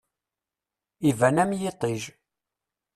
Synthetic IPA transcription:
ivænæmjɪt̪ˤiʒ

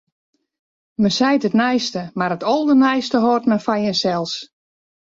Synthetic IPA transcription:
mənsɛjtətnɛjstəmaɾətʰolˠdənɛjstəɦortmənfajənsɛlˠs

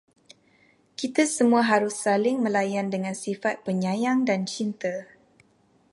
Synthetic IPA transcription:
kit̪asəmũaɦaɾʊsːalɪŋmə̃lajandəŋãnsifat̪̚pəɲãjaŋdant͡ʃint̪ə

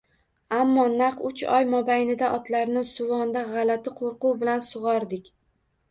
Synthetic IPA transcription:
amːɒnaqʊt͡ʃɒjmɒbajnɪd̪aʔɒt̪laɾnɪsʊvɒnd̪aʁɑlat̪ʰɪqʰoɾqʊwbɪlansʊʁɒɾd̪ɪkʲ

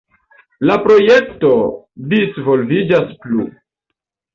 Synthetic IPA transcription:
lapɾo̞je̞kto̞ | disvo̞lvid͡ʒasplṵ

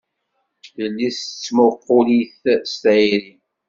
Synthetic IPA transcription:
θəlːist͡sːməqːʊliθst̪ʕiɾi

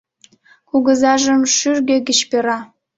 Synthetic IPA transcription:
kuɣə̆zɑʒə̆mʃyrɡĕɡʲɘɕpʲeɾɑ

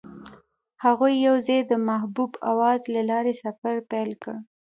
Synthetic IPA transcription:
haɣujːawzejd̪əmahbuba̰wɑzlalɑɾesafaɾpɛlkəɽ

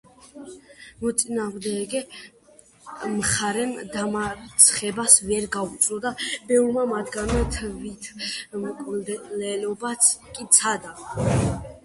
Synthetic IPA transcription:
mɔt̪sʼinaːʁmd̪ɛɡɛ | mχaɾɛmd̪amat̪sʰχɛbasvɛɾɡaut̪sʼɾɔd̪abɛumamat̪ʰɡanmat̪ʰvit̪ʰmkʼullɛlɔbatskʼit̪sʰad̪a

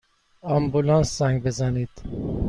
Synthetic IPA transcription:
ɑmbulɑnszæŋɡbezæniːd̪̥

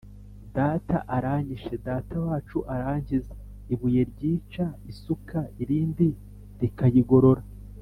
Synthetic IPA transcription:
daːta̰ʔaɾaːɲiʃe̞daːtawaːt͡ʃuʔaɾaːɲɟize | iβuje̞ɾɟiːt͡ʃaisukaiɾiːndi | ɾikajiɡo̞ɾo̞ɾa

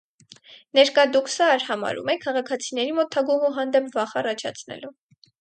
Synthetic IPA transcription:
nɛɾkɑd̪uksəɾhɑmɑ̰ɾṵmɛkʰːɑʁɑkʰɑt͡sʰinɛɾimɔt̪ʰːɑɡuɦuɦɑnd̪ɛpʰvɑχɑrɑt͡ʃʰɑ̰t͡sʰnɛ̰lu

